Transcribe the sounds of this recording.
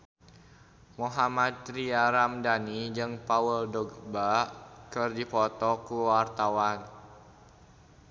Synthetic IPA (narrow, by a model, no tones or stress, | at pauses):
muɦamad̪̚ɾiaɾamdanid͡ʒɨŋpawəldɔɡbaʔkərdipɔt̪ɔkuwart̪awan